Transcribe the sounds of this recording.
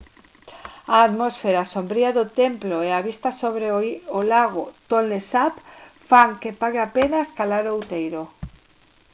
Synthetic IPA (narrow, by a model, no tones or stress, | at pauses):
aːt̪mosfeɾasombɾiaðot̪emploeaβ̞ist̪asoβɾeolaɣot̪olesapfaŋkepaɣeapenaeskalaɾoːwt̪ejɾo